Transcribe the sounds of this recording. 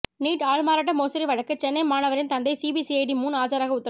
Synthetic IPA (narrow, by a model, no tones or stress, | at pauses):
niːʈaːɭmaːɾɐʈ̬ːɐmoːsɐɾiʋɐɻɐkːɯt͡ʃɛnːɐɪmaːnɐʋɐɾɪnt̪ɐnd̪ɐɪsiːbisiɐɪɖimuːnaːd͡ʒaːɾaːɣɐʊt̪ːɐɾ